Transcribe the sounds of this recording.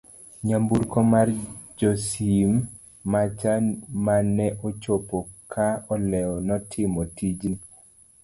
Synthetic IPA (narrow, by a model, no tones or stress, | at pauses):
ɲambuɾkɔmard͡ʒɔsimː | at͡ʃamanɛʔɔt͡ʃopɔkʰaɔlɛɔnɔtʰɪmɔtʰid͡ʒn